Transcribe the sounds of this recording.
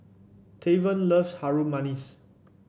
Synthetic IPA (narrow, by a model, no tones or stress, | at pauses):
tʰevə̃nləvshaɹumanis